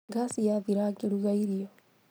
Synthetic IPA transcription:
ɡasijaðiɾakeɾuɣaiɾiɔ

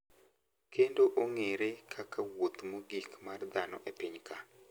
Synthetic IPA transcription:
kʰendoʔoŋeɾekʰakawot̪moɡikmard̪anɔ̰ʔepiɲkʰa

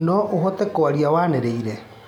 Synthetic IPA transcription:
noʔuɦot̪ekoaɾiawaneɾeiɾe

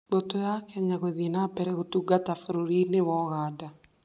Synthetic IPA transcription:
botojakɛɲaɣoðinabɛɾɛɣotuɡatafoɾoɾinewɔɣaːda

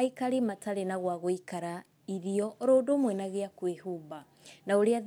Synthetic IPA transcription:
aikaɾimataɾenaɣwaɣoikaɾa | iɾiɔɾoːdomwɛnaɣeakwehuba | naoɾea

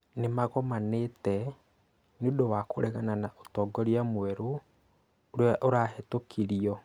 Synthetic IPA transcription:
nemaɣɔmanetɛ | neodowakoɾɛɣananaʔotɔːɡɔɾiamoɛɾo | oɾeaʔoɾaːɦɛtokʰiɾiɔ

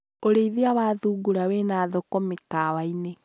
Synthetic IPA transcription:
oɾeiðeawaːðuːɡuɾawenaːðɔkɔmekawaine

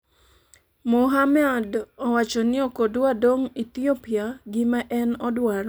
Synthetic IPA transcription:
moɦamadɔwat͡ʃɔnɪɔkodwadoŋit̪iopiaɡɪmaʔɛnɔdwaɾɔ

